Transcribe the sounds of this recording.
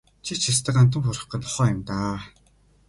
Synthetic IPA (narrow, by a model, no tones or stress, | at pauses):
t͡ɕʰit͡ɕʰist̪ə̆kan̥t̪̬ə̆ŋxʊɾə̆χqə̆nt̪ɔ̥χɔːjʊmt̪aː